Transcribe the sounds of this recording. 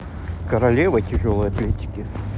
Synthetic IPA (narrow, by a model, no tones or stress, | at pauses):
kəɾɐlʲevətʲɪʐolˠɨjɐt̪lʲetʲɪ̥kʲɪ